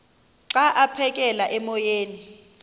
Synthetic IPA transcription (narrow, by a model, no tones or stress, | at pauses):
ǀaʔapʰɛkʼɛlaʔɛmɔjeːni